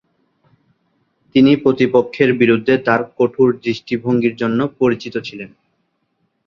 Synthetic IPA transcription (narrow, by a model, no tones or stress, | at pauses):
t̪inipɾot̪ipokʰːeɾbiɾud̪ʱːet̪aɾkoʈʰuɾd̪ɾiʃʈibʱoŋɡiɾd͡ʑonːopoɾit͡ɕit̪ot͡ɕʰilen